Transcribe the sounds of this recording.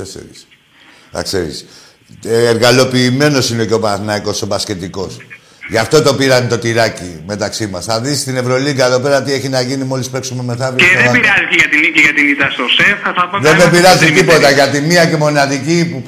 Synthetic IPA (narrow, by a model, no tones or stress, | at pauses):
esḛɾḭs | θɐ̰kse̞ɾḭs | eɾɣɐlo̞piːme̞no̞sineceopɐθnɐiko̞sobɐsce̞t̪iko̞s | ʝɐft̪o̞t̪o̞piɾɐnt̪o̞t̪iɾɐcime̞t̪ɐksimɐsθɐðisst̪ine̞vɾo̞liɡɐt̪o̞pe̞ɾɐt̪ie̞çinɐʝinimo̞lispe̞ksume̞me̞θɐvebiɾɐziceʝɐt̪iniciʝɐt̪init̪ɐst̪osefɐθɐpɐðemebiɾɐzit̪ipo̞t̪ɐʝɐt̪imiɐce̞mo̞nɐðicipu